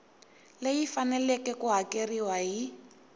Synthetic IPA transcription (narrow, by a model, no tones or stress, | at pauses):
lejifanɛlɛkɛkuɦakeriwaɦi